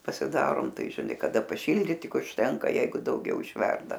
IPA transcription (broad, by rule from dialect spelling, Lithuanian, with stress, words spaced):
pɐsʲɪˈdɑːroːm ˈtɐɪ ʒʲɪˈnɐɪ kɐˈdɐ pɐˈʃʲɪlʲdʲiːt ˈtʲɪk ʊʃʲˈtʲɛŋkɐ ˈjɛɪɡʊ dɐʊˈɡʲɛʊ ɪʃʲˈʋʲɛrdɐ